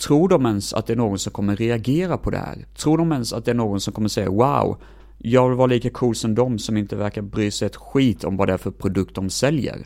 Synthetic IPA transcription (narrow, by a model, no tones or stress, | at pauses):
t̪ʰɾuːɖɔmɛnsa̰t̪̚d̪ɛæɳoːɡɔnsɔmkʰɔmːəɾɛaɡeːɾapʰɔd̪ɛ̰hæ̰ːɾt̪ʰɾuːɖɔmɛnsa̰t̪̚d̪ɛæɾɳoːɡɔnsɔmkʰɔmːəʂsɛjːa̰wa̰ʊ | jɑːɡvɪlvɑːɾaliːkakʰuːlsɔmd̪ɔmsɔmɪnt̪əvæɾkaɾbɾyːsɛjɛt̪ɧiːt̪ʰɔ̰mvad̪ɛæɾfœɾpʰɾʊd̪ɵk̚t̪̚d̪ɔmsɛljə̰ɾ